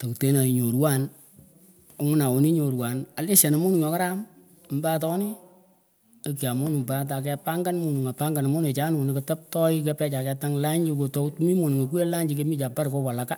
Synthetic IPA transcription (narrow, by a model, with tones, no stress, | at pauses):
to˨ku˨te˨˦na˨i˨ɲo˨ɾwa˦˨n | o˨˦ŋʊ˦na˨o˨ni˦ɲo˨ɾwa˨na˨le˦ʃa˨na˨mu˦nu˨ŋɔ˨˦ka˦ɾa˦m˨ | mba˦tɔ˦ni˦ | e˨˧ki˨a˨mo˦nu˨ŋba˦t̬a˨k̬ɛ˧pa˦ŋɡa˦nmu˦nu˨ŋa˨pa˦ŋɡa˨n˨mu˦ne˨t͡ʃa˦nu˨ni˨kɪ˨ta˦p̚tɔ˦i˦kɛ˦pɛ˦t͡ʃa˨kɛ˧ta˦ŋla˦ɲi˦ko˨to˦u˦tmi˦mo˨nu˨ŋo˨ku˦e˦la˦ɲd͡ʒi˦k̬e˦mi˦t͡ʃa˨pa˦ɾkɔ˦pa˨la˨ka˦